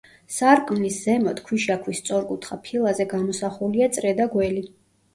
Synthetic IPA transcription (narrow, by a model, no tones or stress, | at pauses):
saɾkʼmlisz̥ɛmɔt̪kʰwiʃakʰwist̪sʼɔɾkʼut̪ʰχapʰilˠazɛɡamɔsaχuliat̪sʼɾɛd̪aɡwɛli